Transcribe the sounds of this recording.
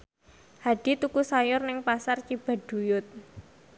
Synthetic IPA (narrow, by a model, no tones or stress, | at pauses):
haɖ̥i̤t̪ukusajʊrnɪŋpasart͡ʃib̥a̤ɖ̥ujʊt̪̚